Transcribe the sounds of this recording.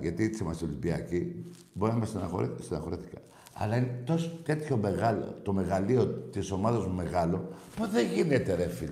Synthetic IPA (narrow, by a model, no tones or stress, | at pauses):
ʝɐt̪it͡semɐsolibiɐ̰ci | bo̞ɾinɐmɐsinɐost̪inɐxo̞ɾiθi̥kɐ | ɐ̰lɐinet̪ost̪e̞t̪ço̞me̞ɣɐlo̰t̪o̞me̞ɣɐlio̞t̪iso̞mɐðɐzmume̞ɣɐlo̞puðeʝine̞t̪e̞ɾefil